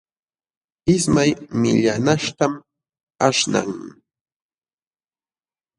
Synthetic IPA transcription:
ɪsmajmɪʎanaʂt̪am | aʂna̰ŋ

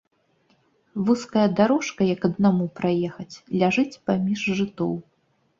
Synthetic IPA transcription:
vuskɐjɐd̪aɾɔʂkɐjɐkɐd̪namupɾajɛxɐt͡sʲlʲaʐɨt͡sʲpamʲiʐʐɨt̪ɔ̰w

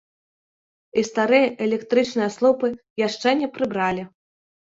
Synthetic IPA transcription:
ist̪aɾɨjɐʔɛlʲɛkt̪ɾɨt͡ʂnɨjɐslˠɔpɨ | jaʂt͡ʂɛnʲɛpɾɨbɾalʲi

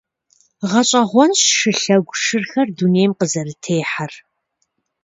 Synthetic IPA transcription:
ʁɐɕʼɐʁʷɔnɕʂɨɬɐɡʷʂɨrxɐrduneːjmqəzɐrɨtʰeːħar

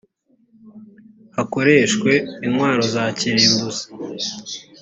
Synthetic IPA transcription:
hako̞ɾe̞ːʃkwe̞inŋwaːɾo̞zaːciɾembuzḁ

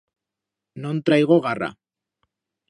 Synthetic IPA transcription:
nõnt̪ɾajɣoɣara̰

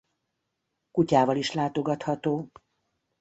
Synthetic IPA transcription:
kucaːvɒliʃlaːt̪o̞ɡɒt̪hɒt̪oː

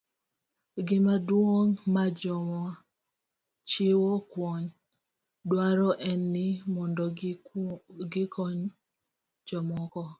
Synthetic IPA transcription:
ɡɪmadwoŋmad͡ʒɔma | t͡ʃɪwɔkwɔɲ | dwaɾɔʔɛnːɪmɔndɔ | ɡɪkʰɔɲ | d͡ʒɔmɔkɔ

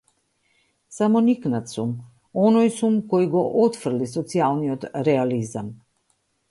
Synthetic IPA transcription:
samɔniknat̪sum | ɔnɔjsumkɔjɡɔʔɔt̪fr̩lisɔt̪sialˠniɔt̪ɾɛalizam

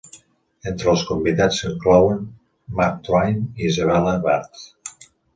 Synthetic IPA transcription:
ent̪ɾəlˠskumbiðat͡səŋklɔwən | mak̚t̪ɾajniizəβɛləβaɾt̪

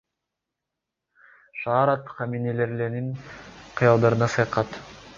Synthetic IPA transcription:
ʃɑːɾɑt̪χɑminele̞ɾleniŋqʰɨjɑlˠd̪ɑɾɯnɑsɑjqɑt̪

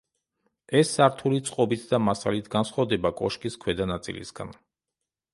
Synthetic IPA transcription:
ɛsːaɾt̪ʰulit̪sʼqʼɔbit̪ʰd̪amasalit̪ʰɡansχwavd̪ɛbakʼɔʃkʼiskʰwɛd̪anat̪sʼḭlḭsɡa̰n

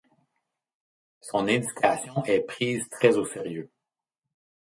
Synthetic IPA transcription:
sɔ̃ned̪ikʰʲasjɔ̃ʔɛpχiːzt̪χɛzoseʁjø

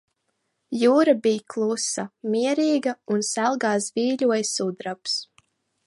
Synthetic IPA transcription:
juːɾabijklˠusamiɛɾiːɡaunsælˠɡaːsviːlʲuɔjsud̪ɾaps

